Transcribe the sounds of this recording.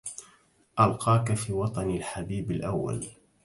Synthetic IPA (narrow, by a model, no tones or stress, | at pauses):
ʔalqɑːkafiːwɑt̪ˤɑnɪlħabiːbalʔawːa̰l